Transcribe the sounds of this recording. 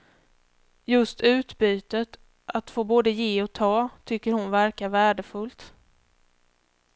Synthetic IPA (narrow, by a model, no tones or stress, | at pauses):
jɵst̪ʉ̟ːt̪byːt̪ət̪ | ʔat̪foːboːd̪əjeːɔt̪ʰɑːt̪ʰʏkːəɾhʊnvæɾkavæːɖəfɵlt̪